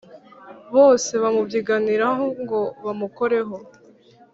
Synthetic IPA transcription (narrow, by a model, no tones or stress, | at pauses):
βo̞ːse̞βamubjiɡaniɾaɦoŋɡo̞βamuko̞ɾe̞ɦo̞